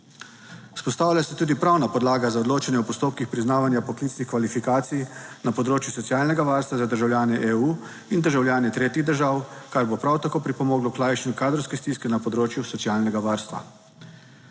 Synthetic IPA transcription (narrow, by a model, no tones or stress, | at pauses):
spɔst̪aːwlʲjasɛt̪uːd̪ipɾawnapɔd̪laːɡazaɔd̪loːt͡ʃanjɛɔpɔst̪oːpkixpɾiznaːʋanjapɔkliːt̪snixkʋalifikaːt̪sijnapɔd̪ɾoːt͡ʃjusɔsjaːlnɛɡaʋaːɾst̪ʋazad̪əɾʒawljaːnɛʔeuː | ind̪əɾʒawljaːnɛt̪ɾeːt̪iɣd̪əɾʒaːwkaɾbopɾawt̪akoːpɾipɔmoːɡlɔklajʃɛnukaːd̪ɾɔwskɛst̪iskɛnapɔd̪ɾoːt͡ʃjusɔt̪siaːlnɛɡaʋaːɾst̪ʋa̰